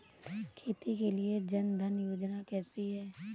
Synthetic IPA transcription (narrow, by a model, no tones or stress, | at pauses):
kʰit̪ikelied͡ʒɐnd̪ʱɐnjoːd͡ʒnakɛːsiɦɛː